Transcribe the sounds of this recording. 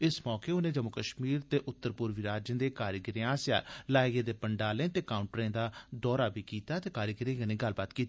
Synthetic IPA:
ɪsmɔːkeːʊnẽːd͡ʒəmʊkəʃmiːɾt̪eːʔʊt̪ːəɾpʊɾʋiɾaːd͡ʒə̃nd̪eːkaːɾjəɡəɾejãsja̰ːlaːɪɡeːd̪eːpəɳɖaːlẽːt̪eːkaːʊ̃ɳʈɾẽːd̪aːd̪ɔːɾaːbʱiːkiːt̪aːt̪eːkaːɾjəɡəɾẽːɡənĩːɡəlːbaːt̪kiːt̪ː

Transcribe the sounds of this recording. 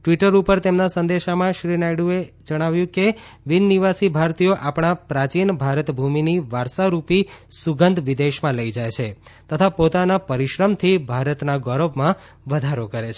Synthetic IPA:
ʈʋiʈəɾupəɾt̪emnasə̃nd̪eʃamãʃɾinajɽue | d͡ʒəɽ̃aʋjũkeʋinːiʋasibʱaɾt̪ijoʔapɳ̃apɾat͡ʃinbʱaɾət̪bʱuminiʋaɾsaɾupisuɡənd̪ʱʋid̪eʃmãləid͡ʒajt͡ʃʰet̪ət̪ʰapot̪anapəɾiʃɾəmt̪ʰibʱaɾət̪naɡɔɾobmã | ʋəd̪ʱaɾokəɾet͡ʃʰe

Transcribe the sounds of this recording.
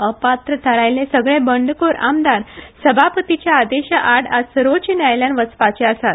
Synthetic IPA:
əpat̪ɾət̪ʰəɾajlẽsəɡɭẽbəɳɖkoɾa̰md̪aɾsəbʱapət̪it͡ɕjaːd̪eɕaʔaɽasəɾʋot͡ɕinajljãnʋət͡spat͡ɕeəsat̪

